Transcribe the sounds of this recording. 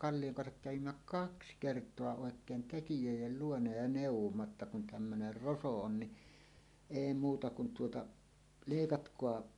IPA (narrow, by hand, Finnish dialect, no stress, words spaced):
kɑlːijoŋ kɑnsɑk kæʋimːæ kɑks kertˑoɑ oˑekˑeːn tekijøˑijˑel luonɑ jɑ neˑuwˑomːɑ tːɑ kun tæmːøner roso on ni eˑi muːtɑ kun tuotɑ leˑikɑtkoɑ